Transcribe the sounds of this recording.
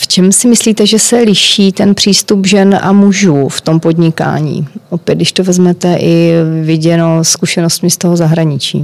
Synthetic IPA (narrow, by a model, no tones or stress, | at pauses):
ft͡ʃɛmsɪmɪsliːt̪ɛʒɛsɛlɪʃiːt̪ɛnpr̥iːst̪upʒɛnʔa̰muʒuːft̪o̞mpo̞dɲɪka̰ːɲḭːʔopjɛt̪d̪dɪʃt̪ovɛzmɛt̪ɛʔɪvɪɟɛnoskuʃɛnost̪mɪst̪o̞ɦozaɦɾaɲɪt͡ʃḭː